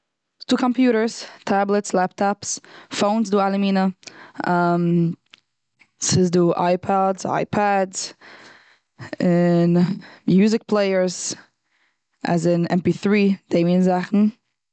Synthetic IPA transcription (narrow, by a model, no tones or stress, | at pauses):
sd̥uːkʰɔmpjuːɾə˞stʰablˠətslaptʰɔpsfoʊnsduːalˠəmiːnəam | sɪzduːʔa̰ɪpʰɔdza̰ɪpʰadz | ɪnmjuːzɪk̚pʰlˠeɪəɹz | a̰zɪnɛ̰mpiːθɹiːd̥eɪminzaχn̩